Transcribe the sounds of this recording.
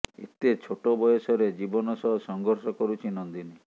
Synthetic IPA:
ḛt̪et͡ʃʰoʈobɔjɔsɔɾed͡ʒibɔnɔsɔɦɔsɔŋɡʱɔɾsɔkɔɾut͡ʃʰinɔnd̪ini

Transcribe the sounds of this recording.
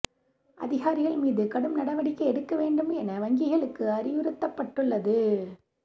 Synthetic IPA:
ʔɐ̰ðɪɣaːɾɪɣɐɭmiːðɯkɐɽɯmnɐɽɐʋɐɽɪkːɐɛɽɯkːɐʋeːɳɖɯmɛnɐʋɐŋɡɪɣɐɭɯkːɯɐɾɪʋɯɾɯt̪ːɐpːɐʈːɯɭːɐðɯ

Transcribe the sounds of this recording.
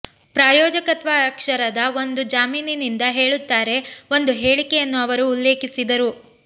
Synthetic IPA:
pɾaːjɔːd͡ʒɐkɐt̪ʋaɾɐkʂɐɾɐd̪ɐo̞nd̪ud͡ʒaːmiːninind̪ɐɦe̞ːɭut̪ːaːɾe̞o̞nd̪uɦe̞ːɭikɛjɐnːuɐʋɐɾuːlːe̞ːkisid̪ɐɾu

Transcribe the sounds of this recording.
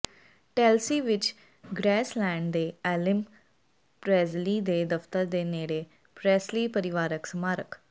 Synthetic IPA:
ʈɛːlsiːʋɪt͡ʃ | ɡɾɛːslɛːɳɖd̪eːɛːlɪm | pɾɛːzliːd̪eːd̪əft̪əɾd̪eːneːɾeː | pɾɛːsliːpəɾɪʋaːɾəksəmaːɾək

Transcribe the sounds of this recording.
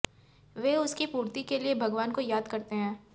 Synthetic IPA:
ʋeːʊskipuːɾt̪ikeliebʱɐɡʋaːnkojaːd̪kɐɾt̪eɦɛ̃ː

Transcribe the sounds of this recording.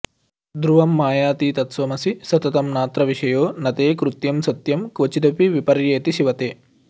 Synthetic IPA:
d̪ɾuʋɐmːaːjaːt̪iːt̪ɐt̪sʋɐmɐsisɐt̪ɐt̪ɐmnaːt̪ɾɐʋiʂɐjoːnɐt̪eːkɾut̪jɐmsɐt̪jɐmkʋɐt͡ʃit̪ɐpiʋipɐɾjeːt̪iʃiʋɐt̪eː

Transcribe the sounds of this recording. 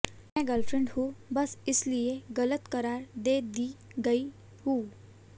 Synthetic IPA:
mɛ̃ɡəlfɾẽɳɖhubʌsislieɡʌlət̪kʌɾaɾd̪ed̪iɡəj | hu

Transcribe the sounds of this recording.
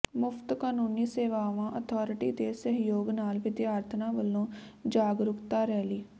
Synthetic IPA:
mʊpʰt̪kaːnuːniːseːʋaːʋãːʔət̪ʰɔːɾɪʈiːt̪eːsəɦjoːɡnaːlʋɪd̪jaːɾt̪ʰnãːʋəlːõːd͡ʒaːɡɾʊkt̪aːɾɛːliː

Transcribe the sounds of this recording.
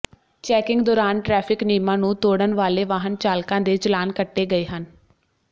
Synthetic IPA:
t͡ʃɛːkɪŋɡd̪oːɾaːnʈɾɛːpʰɪkniːmãːnũːt̪oːɽənʋaːleːʋaːɦənt͡ʃaːlkãːd̪eːt͡ʃəlaːnkəʈːeːɡəeːɦən

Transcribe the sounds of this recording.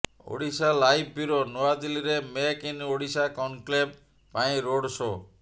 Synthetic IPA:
o̰ɽisalajb̚ʰʱbiɾonoad̪iliɾemekinoɽisakɔnkleb | paĩɾoɽso

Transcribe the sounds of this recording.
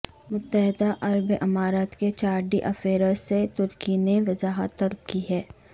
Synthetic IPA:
mʊt̪ːəɦɪd̪aʔɐɾbʔɐmaːɾaːt̪ket͡ʃaːɾɖiʔɐfeːɾəset̪ʊɾkineʋɐzaːɦə̰t̪ːɐlb̚kiɦɛː

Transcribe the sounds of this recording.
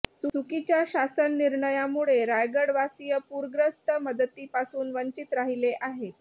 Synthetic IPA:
t͡susukit͡ɕjaɕasənːiɾɳəjamuɭeɾajɡəɽʋasijəpuɾɡɾəst̪əməd̪ət̪ːiːpasuːnʋəɲt͡ɕit̪ɾaɦileʔaɦe

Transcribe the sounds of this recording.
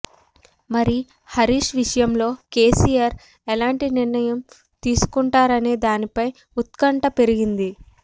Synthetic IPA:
mɐɾi | hɐɾiːʂʋiʂɐjɐmlo̞ːke̞ːsiːjaːɾ | ɛlaːɳʈiniɾnɐjɐm | t̪iːsu̥kuɳʈaːɾɐne̞ːd̪aːnipɐj | ut̪̚kɐɳʈɐpe̞ɾiɡind̪i

